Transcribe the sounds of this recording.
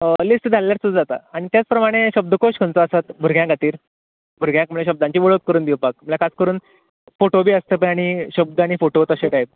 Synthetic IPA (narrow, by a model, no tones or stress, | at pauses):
əlisʈd͡zʱalljaɾt͡sud͡zat̪a̰aɽ̃it̪jat͡spɾəmaɽ̃eɕəb̚d̪əkoɕkʰəɳt͡soəsat̪bʱuɾɡjãɡʱat̪iːɾ | bʱuɾɡjãkm̤əɭẽɕ̬əb̚d̪ãɲt͡ɕiːʋəɭək̪̚kəɾuːnd̪iwpak̚m̤əlakʰat͡skəɾuːn | foʈobʱiːəst̪əp̬əaɽ̃iɕəb̚d̪ʱaɽ̃ifoʈot̪əɕeʈajp̚